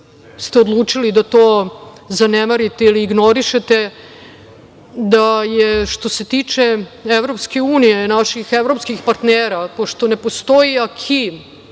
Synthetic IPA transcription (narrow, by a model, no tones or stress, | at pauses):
st̪eod̪lˠuːt͡ʂilid̪at̪oː | zanemaɾit̪eiliːɡno̞ɾiʃet̪e | d̪ajeʃt̪o̞se̞t̪iːt͡ʂeeʋɾo̞pske̞uːnijenaʃixeʋɾo̞pskixpaɾt̪neːɾapoʃt̪o̞nepost̪o̞iakʰi